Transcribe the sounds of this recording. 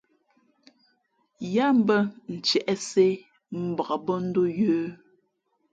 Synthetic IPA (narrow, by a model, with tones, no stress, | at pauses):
ja˦m̩˦bə˦n̩˨t͡ʃɛ˨ʔɛ˦se˦ | m̩˦˨bə˨ɣa˨bɔ˦n̩˦do˦jʉː˦